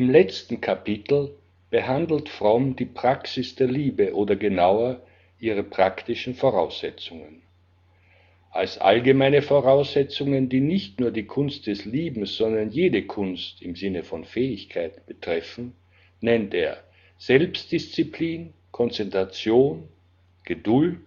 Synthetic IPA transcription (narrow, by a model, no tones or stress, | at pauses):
ʔɪmlɛt͡stn̩kʰapɪtʰl̩ | b̥əhandl̩tfʁ̥ɔmdiːpʁ̥aksɪsd̥eːɐliːbəʔoːdɐɡənaʊɐ | ʔiːʁ̞əpʁ̥aktɪʃn̩foʁaʊsz̥ɛt͡sʊŋən | ʔa̰lsʔa̰lɡəmaɪnəfoʁaʊsz̥ɛt͡sʊŋəndiːnɪçtnuːɐdiːkʰʊnst̚d̥ɛsliːbm̩sz̥ɔndɐnjeːdəkʰʊnstɪmzɪnəfɔnfɛːɪçkʰaɪtb̥ətʁ̥ɛfn̩ | nɛnteːɐ | z̥ɛlpst̚d̥ɪst͡sipliːn | kʰɔnt͡sɛntʁat͡sjoːn | ɡ̥ədʊlt